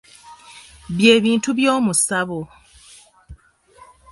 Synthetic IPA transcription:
βje̞ːβiːntuβjo̞ːmusaβo

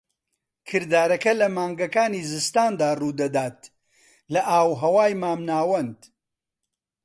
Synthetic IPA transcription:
kʰɨɾd̪aːɾɐkɐlɐmaːŋɡɐkaːniːzɨst̪aːnd̪aːruːd̪ɐd̪aːt̪̚ | lɐʔaːwɦɐwaːjmaːmnaːwɐnd̪

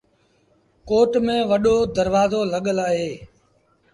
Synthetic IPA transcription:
koːʈmẽːʋəɗoːd̪əɾʋaːzoːləɠəlaːɦeː

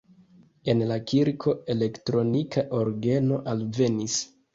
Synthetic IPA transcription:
e̞nlakʰiɾkʰo̞e̞le̞ktɾo̞nikʰaʔoɾɡe̞no̞ʔalve̞nis

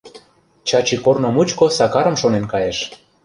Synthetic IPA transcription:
t͡ɕɑt͡ɕikornŏmut͡ɕkosɑkɑɾə̆mʃonenkɑjeʃ

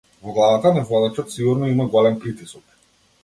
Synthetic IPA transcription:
vɔɡlˠavat̪anɛvlˠɔd̪at͡ʃɔt̪siɡuɾnɔimaɡɔlɛmpɾit̪isɔk

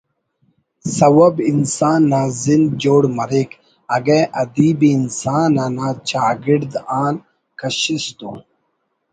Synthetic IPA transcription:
sɐwɐbinsaːnːaːzind͡ʑoːɽmɐɾik | ɐɡeʔɐd̪iːbiːnsaːnanaːt͡ɕaːɡiɾd̪aːn | kɐɕist̪ṵ

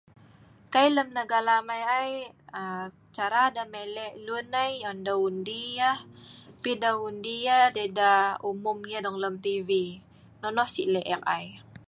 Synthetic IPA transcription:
kajləmnəɡalamajajə | t͡ʃaɾadamelɛʔlunajɔndaundijahpidaundijadedaumʊmɲadɔŋləmt̪ivi | nɔnɔhsiʔlɛʔɛk̚aj

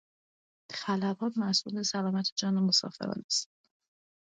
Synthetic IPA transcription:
xælæbɒːt̪mæsʔuːlbesælɒːmæt̪ʰed͡ʒɒːnomosɒ̰ːfḛɾɒ̰ːnæs

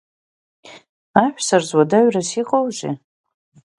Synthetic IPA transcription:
aħʷᶣsarzwadaɥrasiqʼowʒɪ̰

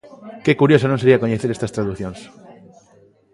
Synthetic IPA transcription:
kekuɾjosanõŋseɾiakoɲeθeɾest̪ast̪ɾaðuθjõŋs

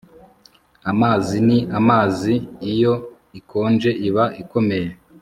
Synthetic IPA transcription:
amaːziniʔamaːziːjo̞ | ikʰo̞ːnd͡ʒe̞ʔiβaʔiko̞me̞je

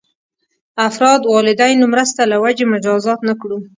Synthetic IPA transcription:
afɾɑd̪wɑlɪd̪ajnomɾəst̪alawad͡ʒemʊd͡ʒɑzɑt̪nakɽu

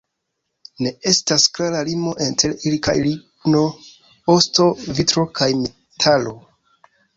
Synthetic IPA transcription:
ne̞e̞stasklaɾalimo̞ʔentʰe̞lilka̰jlikno̞ | osto̞vitɾo̞kʰajme | tʰalo̞

